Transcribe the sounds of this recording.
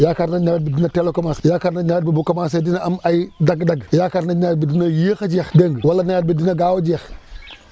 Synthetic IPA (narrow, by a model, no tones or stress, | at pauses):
jakaɾnaɲawt̚bidinatelokamaːsjakaɾnaɲat̚bibukamasadinaamajdaɡdaɡjakaɾnaɲad̚bidinajixad͡ʒixdeŋwalanajat̚bidinaɡaːwod͡ʒix